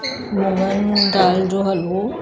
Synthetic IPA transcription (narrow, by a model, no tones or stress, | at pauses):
mumənɡaːld͡ʑoːɦɐlo